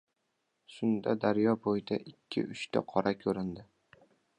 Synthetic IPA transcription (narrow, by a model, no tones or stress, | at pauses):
ʃʊnd̪ad̪aɾjɒbojd̪aʔɪkʲʰːɪ̰ʔʊʃt̪ʰa̰qʰɒɾʔakʲʰɵɾɪnd̪ɪ